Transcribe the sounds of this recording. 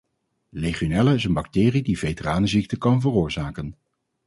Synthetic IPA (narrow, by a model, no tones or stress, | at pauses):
rejχonɛləɪsənbɑk̚tɪːridivejtəraːnəzik̚təkɑnvərʊːɹzaːkən